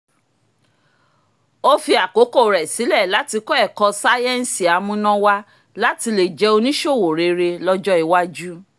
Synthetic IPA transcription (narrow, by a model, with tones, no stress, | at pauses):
o˦fi˧a˨ko˨˦ko˦˨ɾɛ˨si˨˦lɛ˦˨la˨˦ti˧kɔ˦ɛ˦˨kɔ˧sa˦jɛ˦˨n̩˨si˨a˨˦mũ˧nã˦wa˧ | la˦ti˧le˨d͡ʒɛ˨˧o˧nĩ˦ʃo˦˨wo˨ɾe˨˧ɾe˧lɔ˧d͡ʒɔ˦i˨˧wa˦d͡ʒu˦